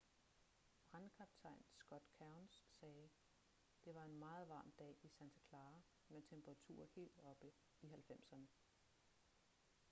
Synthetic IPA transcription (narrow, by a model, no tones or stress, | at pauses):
b̥ʁankʰɑb̥t͡sʰɑ̈ɪ̰nsɡ̥ɒ̽d̥kʰɑʊnsːɛː | d̥e̝ʋɑ̈e̝nmɑ̈ːð̞̩ˠʋɑ̈ːmd̥ɛ̰ːisænt͡sʰækʰlɑ̈ː | met͡sʰemb̥ɐʁɑ̈t͡sʰṵːɐhe̝̰ːld̥ɒ̽b̥ə | iɦælfem̰sɐnə